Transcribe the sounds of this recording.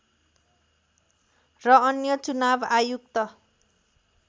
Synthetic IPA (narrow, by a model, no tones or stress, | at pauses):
rʌːnjʌt͡sunabajuk̚t̪ʌ